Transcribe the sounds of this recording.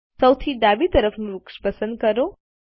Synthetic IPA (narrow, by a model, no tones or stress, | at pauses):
səwt̪ʰiɖ̪abit̪əɾəfʰnũɾukʃpəsənd̪̚kəɾo